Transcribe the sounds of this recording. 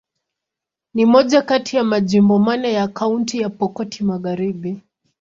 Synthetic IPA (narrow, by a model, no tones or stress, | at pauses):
nimɔʄakatijamaʄimbɔmanajakauntijapɔkɔtʰimaɣaɾiɓi